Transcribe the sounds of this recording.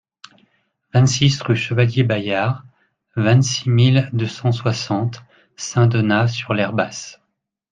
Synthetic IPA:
vɛ̃t̪sisʁyʃəvaljebajaʁ | vɛ̃t̪simild̪øsɑ̃swasɑ̃t̪ | sɛ̃d̪ɔnasyʁlɛʁbas

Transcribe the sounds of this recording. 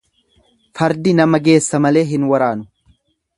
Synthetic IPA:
fɐɾd̪ɪnɐmɐɡe̞ːsːɐmɐle̞ːɦɪnwɐɾaːnʊ̥

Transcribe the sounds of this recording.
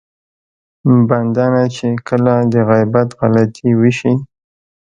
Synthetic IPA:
band̪ɑnat͡ʃekʰəlad̪əɣajbat̪ɣalat̪ʰiwəʃi

